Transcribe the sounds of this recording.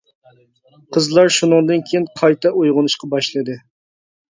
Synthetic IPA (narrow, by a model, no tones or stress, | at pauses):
qʰəzlˠɑɾʃunɨŋd̪ɨnkʲʰejinqʰɑjt̪ɛojʁʊnɨʃqɑbɑʃlˠɨd̪ɨ